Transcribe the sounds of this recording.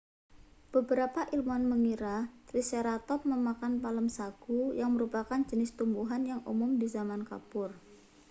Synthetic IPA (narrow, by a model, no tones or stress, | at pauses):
b̥əbəɾapaʔilmɔnməŋiɾat̪ɾiseɾat̪ɔp̚məmakanpaləmsaɡ̥ujaŋməɾupakand͡ʒənɪst̪umbuɦanjaŋʔṵmʊmdizamanka̰pʊr